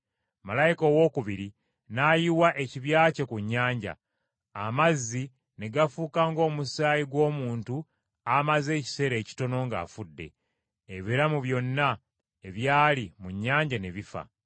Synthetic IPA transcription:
malajiko̞ːwo̞ːkuβiɾi | naːjiwaʔe̞ciβjaːce̞kuɲːaːɲɟa̰ː | mazːi | ne̞ɡafuːkaːŋɡo̞ːmusaːjiɡwo̞ːmuːntu | amaze̞ːci̥se̞ɾe̞ːci̥to̞no̞ŋɡa̰ːfudːe̞̰ː | βiɾamuβjo̞nːa | e̞βjaːlimuɲːaːɲɟane̞βifa̰

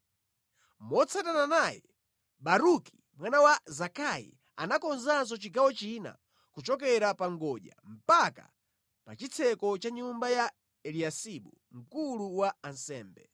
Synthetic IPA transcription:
mɔt͡sʰatananajɛ | ɓaɾuki̥ | mwanawazakʰaḭ | a̰nakɔnzans̬ɔt͡ʃiɡawɔt͡ʃina̰ | kut͡ʃɔk̬ɛɾapaŋɡɔʄa̰m̩paka̰ | pat͡ʃit͡sʰɛkɔt͡ʃaɲumbaja | ɛliasiɓu | ŋ̩kuluwaːnsɛːmbɛ

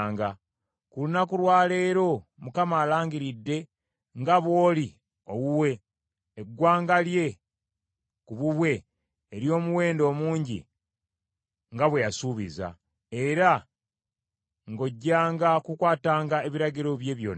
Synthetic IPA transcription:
ŋɡa | kulunakulwaːle̞ːɾo̞mukamaːlaːŋɡiɾidːe̞ | ŋɡaβo̞ːli | o̞wuwe̞ː | ɡwaːŋɡalje̞ | kuβuβwe̞ː | ɾjo̞ːmuwe̞ːndo̞ːmuːɲɟḭ | ŋɡaβwe̞jasuːβḭza̰ | e̞ɾa | ŋɡo̞ɟːaːŋɡakukwaːtaːŋɡaeβiɾaɟiɾo̞βje̞ːβjo̞̰ːn

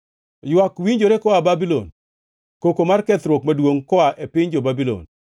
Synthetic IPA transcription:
jwakwiɲd͡ʒoɾekɔababilo̰n | kokomarkɛt̪ɾwokmadwoŋkɔaʔepɪɲd͡ʒobabilo̰n

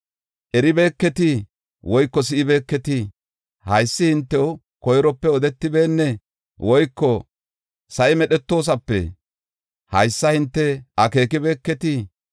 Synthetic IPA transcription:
ʔɛɾɪbe̞ːkːɛt̪ɪ | wɔjkːɔs̬ɪʔɪbe̞ːkːɛt̪ɪ | hɐjsːɪhɪnt̪ːɛw | kɔjɾɔpːɛɔd̪ɛt̪ːɪbe̞ːnːɛ | wɔjkːɔ | sɐʔɪmɛɗɛt̪ːo̞ːs̬ɐpːɛ̰ | hɐjsːɐhɪnt̪ːɛʔɐke̞ːkɪbe̞ːkːɛt̪ɪ

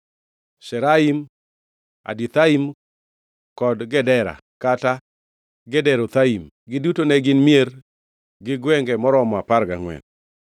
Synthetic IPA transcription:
ʃɛɾaim | a̰dit̪aim | kɔdɡɛdɛɾa̰ | kata | ɡɛdɛɾot̪aim | ɡɪdutonɛɡɪnmjeɾ | ɡɪɡwɛŋɡɛmɔɾɔmɔaparɡa̰ŋwɛ̰n

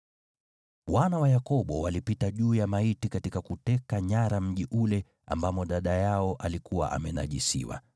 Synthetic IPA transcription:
wanawajakɔɓɔwalipitaʄuːjamaitikatikakutɛkaɲaɾam̩ʄiʔulɛ | a̰mbamɔɗaɗajaɔʔalikuwa̰ʔa̰mɛna̰ʄisḭwa̰

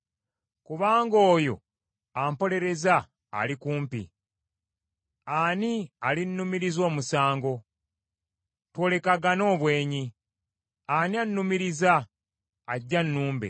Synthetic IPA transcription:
kuβaːŋɡo̞ːjo̞̰ | ampo̞le̞ɾe̞za̰ː | likuːmpḭ | anialinːumiɾizo̞ːmusaːŋɡo̞ | two̞ːle̞kaɡano̞ːβwe̞ːɲi | anianːumiɾizaː | ɟːanːuːmbḛ

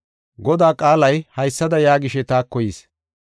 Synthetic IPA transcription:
ɡɔd̪aːkʼaːlɐjhɐjsːɐd̪ɐjaːɡɪʃɛt̪aːkːɔjiːs

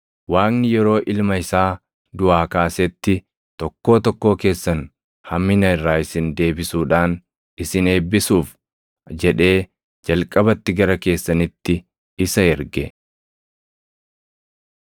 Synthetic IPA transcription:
waːnnɪjɛɾo̞ːʔɪlmɐɪsaː | d̪ʊaːkaːsɛt̪ːɪ | t̪ɔkːo̞ːt̪ɔkːo̞ːke̞ːsːɐn | hɐmːɪnɐɪrːaːɪsɪnd̪e̞ːbɪsuːᶑaːn | ɪsɪne̞ːbːɪsuːf | d͡ʒɛᶑe̞ː | d͡ʒɐlkʼɐbɐt̪ːɪɡɐɾɐke̞ːsːɐnɪt̪ːɪ | ɪsɐɛɾɡɛ

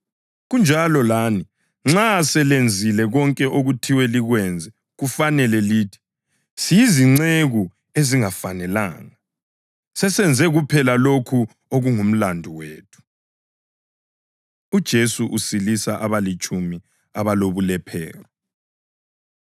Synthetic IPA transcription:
ɣund͡ʒʱalɔlaːni | ŋ͡ǁasɛlend͡zʱilɛɣɔŋkʼɛʔoɣutʰiwɛliɣwɛnd͡zʱɛ | ɣufanɛlɛliːtʰi̥ | sijiziŋ͡ǀeɣu | eziŋafanɛla̰ːŋa | sɛsɛnd͡zʱɛɣupʰɛlalokʰu | oɣuŋum̩landʱuweːtʰu̥ | ud̥ʒ̥ʱesuʔusilisaʔaβalit͡ʃʼumi | aβaloβulɛpʰɛ̰ːrɔ

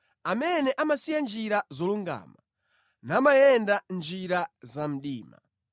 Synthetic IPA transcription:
amɛnɛʔamasijand͡ʒiɾazɔluŋɡa̰ːma | namajɛndand͡ʒiɾazam̩ɗiːma̰

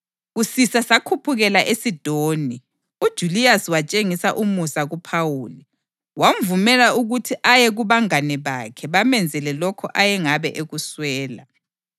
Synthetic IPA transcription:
ɣusisasakʰupʰuɣɛlaʔesid̥ʱoːni | ud̥ʒ̥ʱuliaswat͡ʃʼeŋisa̰ʔumusaɣupʰawuːli | waɱvumɛlaʔuɣutʰiʔajɛɣuβaŋanɛβa̰kʰɛβamɛnd͡zʱɛlɛlɔkʰɔʔajɛŋaβɛʔeɣuswɛːla̰

